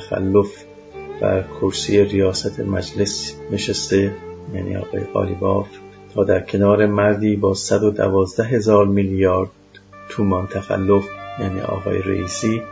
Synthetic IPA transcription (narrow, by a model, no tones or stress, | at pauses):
xæ̰lːof | væ̰kʰoɾsiːjerijɒːsæt̪ʰḛmæd͡ʒle̞sneʃest̪e̞jæːnḭːɒ̰ːɣɒ̰ːjeɣɒ̰ːliːbɒːf | t̪ʰɒːd̪æɾkʰe̞nɒːɾe̞mæɾd̪iːbɒːsæd̪o̞d̪æ̰vɒːzd̪æɦe̞zɒːɾmiːljɒːɾd̪̚ | t̪ʰuːmɒːnt̪ʰæxæ̰lːofjæːnḭːʔɒ̰ːɣɒ̰ːjeɾḛʔiːsiː